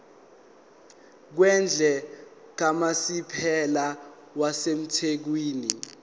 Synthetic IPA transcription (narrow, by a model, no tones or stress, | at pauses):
k̬wɛnd͡ɮʱɛ | k̬amasipʰɛla | wasem̩tʰek̬wiːni